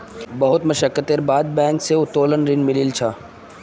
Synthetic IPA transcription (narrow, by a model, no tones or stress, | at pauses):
bɐɦʊt̪mɐʃəkːət̪eɾbaːd̪̚bɛ̃ːŋkseʊt̪ːoːlənɾɪnmɪlilt͡ʃʰa